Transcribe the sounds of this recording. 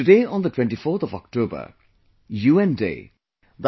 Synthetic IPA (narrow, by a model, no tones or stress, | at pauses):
tɨdeːɔ̃ːnd̪ətwɛ̃ɳʈifoɾt̪ɔvɔ̰k̚ʈoːbə̰ | juːɛ̃ndḛː | d̪